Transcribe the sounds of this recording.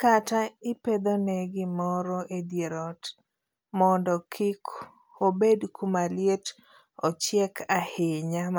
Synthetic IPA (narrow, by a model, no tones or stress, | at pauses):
kataɪped̪onɛɡɪmɔɾɔʔed̪jeɾɔt | mɔndɔkʰɪk | obedkumaljet | ɔt͡ʃjekʰahɪɲam